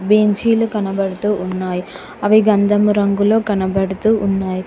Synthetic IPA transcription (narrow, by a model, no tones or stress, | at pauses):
beːɲt͡ʃiːlukɐnɐbɐɽut̪uːʔunːaːji | ɐʋiɡɐnd̪ɐmuɾɐŋɡuloːkɐnɐbɐɽut̪uːʔunːaːji